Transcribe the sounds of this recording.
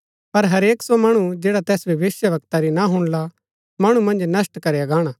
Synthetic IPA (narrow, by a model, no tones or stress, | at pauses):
pɐɾɦɐɾeːksomɐɽ̃ud͡ʒeːɽat̪ɛːsbiʋɪːsjəʋɐk̚t̪aɾinaɦʊɽ̃la | mɐɽ̃umɐ̃nd͡ʒnɐsʈkɐɾeaɡaːɽ̃aː